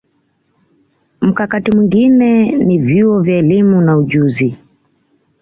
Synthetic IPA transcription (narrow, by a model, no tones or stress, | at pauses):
m̩kakatimwiŋɡinɛnivjuɔvjaɛlimunauʄuzi